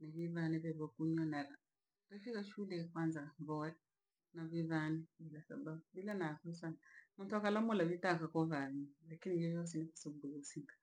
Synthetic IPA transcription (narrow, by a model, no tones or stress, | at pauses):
naβiβanɛβɛβɔkuɲanaɾa | tɛfikaʃulɛkwanzaβɔɛ | naβiβanɛβilasababuβilanaβɔsanamuntuakalamulaβitakakɔβaβilakinivjɔjɔs̬ɛniku̥saubuɡusiŋɡḁ